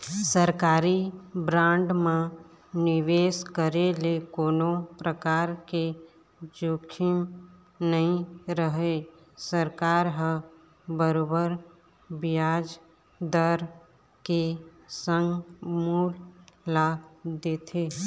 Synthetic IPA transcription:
səɾkaːɾibɾãːɳɖmã | nɪʋeːskəɾelekoːnopɾəkaːɾke | d͡ʒoːkʰɪn | nəɦĩɾəɦe | səɾkaːɾɦə | bəɾoːbəɾ | bɪjaːd͡ʒ | d̪əɾ | kesə̃ŋɡmuːllad̪eːt̪ʰeː

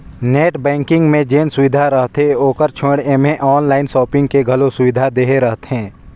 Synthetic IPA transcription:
neːʈbɛ̃ːŋkɪ̃ŋɡmẽd͡ʒeːnsʊʋɪd̪ʱaɾəɦt̪eoːkəɾt͡ʃʰoːɽeːmẽʔɔːnlaːɪnsɔːpɪ̃ŋɡkeɡʱɐlosʊʋɪd̪ʱad̪eːɦeɾəɦt̪ɦɛ̃ː

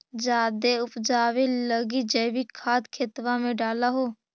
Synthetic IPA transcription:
d͡ʒaːd̪eʊpd͡ʒaːʋeləɡid͡ʒəːʋikʰaːd̪kʰeːt̪ʋãmẽɖaːlaɦoː

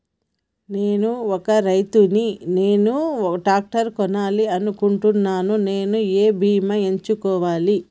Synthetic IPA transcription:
neːnuɔkɐɾɐjt̪unine̞ːnuʈaːk̚ʈɐɾkɔnaːliɐnukuɳʈunːaːnune̞ːnueːbʱiːmɐeɲt͡ʃukɔːʋaːli

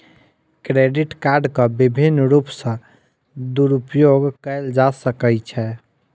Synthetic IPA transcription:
kɾeɖiʈkaɾɖkəbibʱinːɾupsə̃ | d̪uɾupjoɡkəɪld͡ʒasəkət͡ʃʰɛ

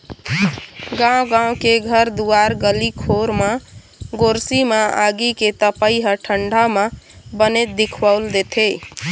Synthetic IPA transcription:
ɡãɡãw̃keɡʱəɾd̪uaɾɡəlikʰoɾme | ɡoɾsimeaɡiket̪əpəiɦəʈʰəɳɖʱamebənet̪̚d̪ikʰwaʊld̪et̪ʰe

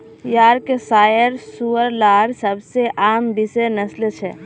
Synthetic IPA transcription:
jaːɾkesaːjəɾsuəɾlaːɾsəbseʔaːmbɪsenəslt͡ʃʰɛ

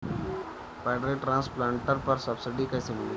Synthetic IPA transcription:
paɪɖɾeːʈɾãːnsplãːɳʈəɾpəɾsəbsɪɖikasɪmi

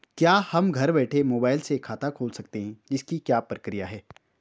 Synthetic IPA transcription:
kjaːhɐmɡʱɐɾbɛːʈʰemoːbaːɪlsekʰaːt̪akʰoːlsɐk̚t̪eɦɛ̃d͡ʒɪskikjaːpɾəkɾijaɦɛː

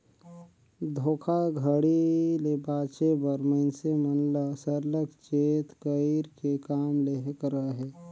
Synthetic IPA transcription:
d̪ʱoːkʰaɡʱəɽilebaːt͡ʃebəɾməɪnsemənləsəɾləkt͡ʃeːt̪kəiɾkekaːmleɦkəɾaɦɛː

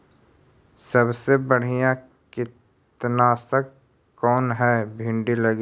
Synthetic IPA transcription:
sɐbsebɐɽ̤ijã | kɪ | t̪nasək | kɔːnɦɛːbʱɪ̃ɳɖilɐɡ

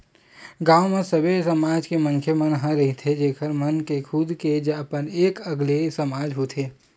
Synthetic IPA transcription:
ɡãːwmesɐbesɐmaːd͡ʒkemənkʰemɐnɦə̃ɾɐɦit̪ʰed͡ʒeːkʰəɾmɐnkekʰʊd̪ked͡ʒpəneːkɐɡlesɐmaːd͡ʒɦot̪ʰeː

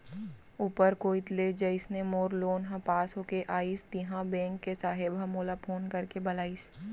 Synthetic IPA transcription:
uːpəɾkoːɪt̪led͡ʒəɪsnemoːɾloːnɦɐ̃paːsɦokeʔaːist̪ɪɦãbɛ̃ːŋkːesaːɦebʱəmoːlapʰoːnkɐɾkebɐlaːis

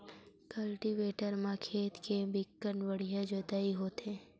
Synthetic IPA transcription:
kəlʈiʋeːʈəɾmãkʰeːt̪kebɪkːənʋəɽ̤ijãd͡ʒot̪aːiɦoːt̪ẽː

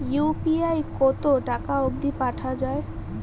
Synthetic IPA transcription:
jupiajkot̪oʈakaoɡ̚d̪ʱipaʈʰad͡ʑae

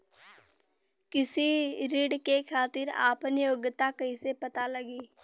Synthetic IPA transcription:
kɪsiɾiːɖkekʰaːt̪iɾa̰ːpənɪjoːɡt̪akəisepɐt̪alɐɡiː

